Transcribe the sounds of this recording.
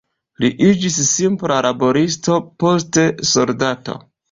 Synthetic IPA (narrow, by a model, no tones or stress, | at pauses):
liʔid͡ʒisːimplalʔabo̞ɾis̬to̞po̞s̬te̞so̞ldato̞̰